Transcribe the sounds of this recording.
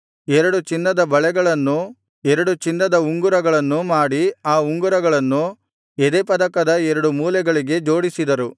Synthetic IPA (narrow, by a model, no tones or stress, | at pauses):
ɛɾɐɽut͡ʃinːɐd̪ɐbɐɭɛɡɐɭɐnːu | ɛɾɐɽut͡ʃinːɐd̪ɐuŋɡuɾɐɡɐɭɐnːumaːɽiaːuŋɡuɾɐɡɐɭɐnːu | ed̪eːpɐd̪ɐkɐd̪ɐɛɾɐɽumuːlɛɡɐɭiɡe̞d͡ʒoːɽisid̪ɐɾu